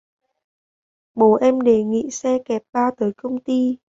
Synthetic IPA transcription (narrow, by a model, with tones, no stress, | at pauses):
ɓo˨˦ʔɛ˧mɗe˨˩ŋḭ˧˨sɛ˧kɛ˨˩p̚ɓaː˧t̪əː˨˦jkə˧wŋ͡mt̪i˧